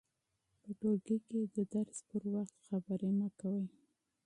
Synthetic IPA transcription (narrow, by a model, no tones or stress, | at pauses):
pəʈoɡeked̪əd̪aɾspəɾwaxt̪xabəɾemakawəj